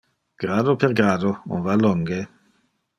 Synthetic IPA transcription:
ɡ̥ɾaːd̪opeɾɡɾaːd̪oṵɱvalːɔŋɡe

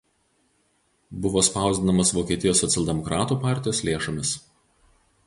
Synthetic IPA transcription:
bʊʋoːspɑˑʊzʲd̪ʲɪnɐmɐsʋoːkʲiɛt̪ʲɪjoːsːɔt̪sʲɛlˠʲd̪ʲɛmɔkɾɑːt̪uːpɑˑɾʲt̪ʲɪjoːslʲeːʃomʲɪs

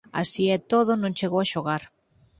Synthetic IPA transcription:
a̰siɛt̪oðʊnõŋt͡ʃeɣowaʃoɣaɾ

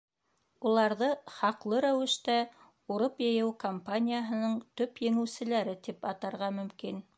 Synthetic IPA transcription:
ulˠɑɾðɤχɑqlˠɤɾæwɘ̆ʃt̪æ | uɾopjɤ̆jɘwkompanʲijaɦɤ̆nɤɴt̪ɵpjɘ̆ŋɘ̆wsɘ̆læɾɘt̪ipɑt̪ɑɾʁɑmɵ̆mkin

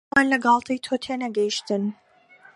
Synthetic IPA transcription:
aːnlɐɡɑːlˠt̪ʰijt̪ʰoːt̪ʰenɐɡɐjʃt̪ɨn

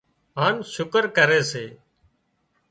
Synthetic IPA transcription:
ɦaːnʃʊkəɾkəɾeːseː

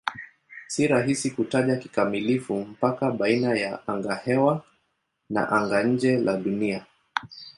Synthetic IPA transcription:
siɾaɦisikutaʄaki̥kamilifum̩pakaɓainajaʔaŋɡahɛwa | na̰ʔaŋɡaɲ̩d͡ʒɛlaɗunia

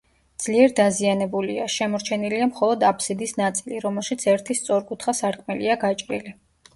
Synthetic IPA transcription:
d̪z̥liɛɾd̪azianɛbuliaʃɛmɔɾt͡ʃʰɛniliamχɔlˠɔd̪apʰsid̪isnat̪sʼiliɾɔmɛlˠʃit̪sʰɛɾt̪ʰist̪sʼɔɾkʼut̪ʰχasaɾkʼmɛliaɡat͡ʃʼɾḭli

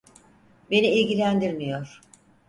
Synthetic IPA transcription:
be̞niilʲɟilʲænd̪iɾmijo̞ɾ̥

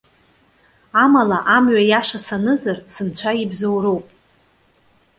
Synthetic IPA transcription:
amalaʔamɥajaʂasanɨzarsɨnt͡ɕʷʰaibzowɾowpʼ

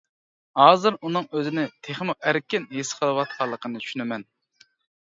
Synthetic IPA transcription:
hɑːzɨɾunɨŋøzɪnɪt̪ʰeχmuʔæɾkʲɪnɦesqʰəlˠəwɑt̪̚qʰɑlˠːəqʰənɨt̪t͡ʃʰy̥ʃynɪmɛn

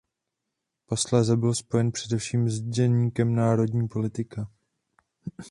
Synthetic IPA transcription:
paslazɛbɪlspo̞jɛnpr̥ɛdɛfʃiːmzɟɛɲiːkɛmnaːɾo̞dɲiːpo̞lɪt̪ɪka

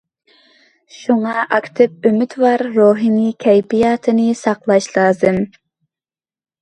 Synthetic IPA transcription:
ʃuŋɑʔɑkʲt̪ʰɨp̚ømyt̪vɑɾːoːɦinɨkʲʰɛjpijɑːt̪ʰɨnɨsɑqlˠɑʃlˠɑːzɨm

